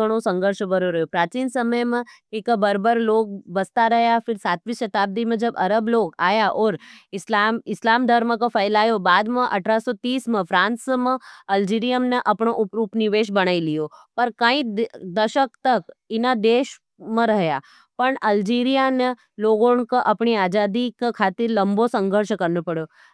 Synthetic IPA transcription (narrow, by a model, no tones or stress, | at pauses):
əɽ̃osə̃ŋɡəɾʃəbəɾoɾɐjopɾaːt͡ʃiːnsəməjmə̃ekbəɾbəɾloːk̚bəst̪aɾɐɦjapʰɪɾsaːt̪ʋiʃɐt̪aːb̚d̪imə̃d͡ʒɐbɐɾəbloːkaːjaʔɔːɾɪslamɪslaːmd̪ʱəɾməkopʰəjlaːjobaːd̪mə̃ʔɐ̰ʈʰɾasot̪iːsmə̃pʰɾãːnsmə̃ɐld͡ʒiɾijəmneʔɐpɳoʔʊpɾupniʋeːʃ̬bəɽ̃aːilijopɐɾkãĩd̪əʃəkt̪əkɪnad̪eːʃ | mə̃ɾəɦja | pəɳəld͡ʒiːɾijane | loːɡonkoʔɐpɳiaːd͡ʒad̪ikkʰaːt̪ɪɾlɐmbosə̃ŋɡʱəɾʃkəɾnopəɽjo